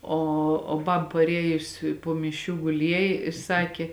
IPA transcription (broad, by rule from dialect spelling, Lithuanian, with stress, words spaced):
ˈoː oː ˈbɐp pɐˈrʲiɛjʊs poː mʲɪˈʃʲuː ɡʊˈlʲiɛjeː ɪ ˈsɑːkʲeː